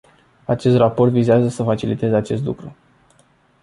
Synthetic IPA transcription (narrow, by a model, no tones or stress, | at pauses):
at͡ʃe̞st̪rapo̞rt̪vizeazəsəfat͡ʃilit̪e̞zeat͡ʃe̞s̬t̪lṵkɾu